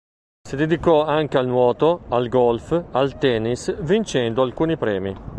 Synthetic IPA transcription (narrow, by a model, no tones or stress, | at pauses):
sid̪ed̪ikɔaŋk̟ealnwɔːt̪oalɡɔlfalt̪ɛnisvint͡ʃɛnd̪oalkuːnipɾɛ̰ːmi